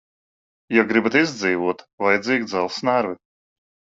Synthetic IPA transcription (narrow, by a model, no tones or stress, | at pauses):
jaɡɾibat̪izd̪ziːvuɔt̪ | vajd̪ziːɡʲd̪zalˠsnaɾvɪ